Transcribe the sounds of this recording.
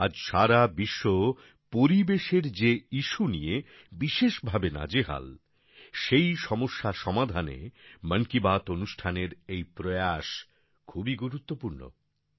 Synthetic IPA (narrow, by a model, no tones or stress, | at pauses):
ad͡ʑʃaɾabiʃːo | poɾibeʃeɾd͡ʑeiʃunije | biʃeʃbʱabena̰d͡ʑeɦa̰l | ʃejʃɔmoʃːaʃɔmad̪ʱanḛməŋkibat̪onuʃʈʰaneɾejpɾojaʃ | kʰubiɡuɾut̪ːopuɾno̰